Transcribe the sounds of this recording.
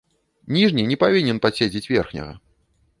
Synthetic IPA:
nʲiʐnʲinʲɛpavʲinʲɛnpasʲed͡zʲit͡sʲvʲɛrxnʲɐ̰ɣɐ̰

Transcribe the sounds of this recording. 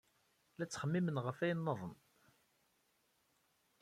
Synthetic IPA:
læt͡sːχəmːimənʁəfæjənːəðˤən

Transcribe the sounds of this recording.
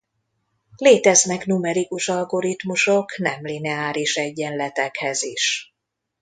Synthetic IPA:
leːt̪ɛznɛknumɛɾikuʃɒlɡo̞ɾit̪muʃoknɛmlinɛaːɾiʃɛɟːɛnlɛt̪ɛkhɛziʃ

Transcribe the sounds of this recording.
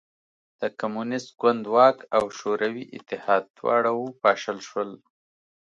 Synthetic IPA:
d̪̥əkamunɪst̪̚ɡwand̪wɑkawʃoɾawiʔɪt̪ːɪhɑd̪̚ːwɑ̰ɽawupɑʃəlʃwəl

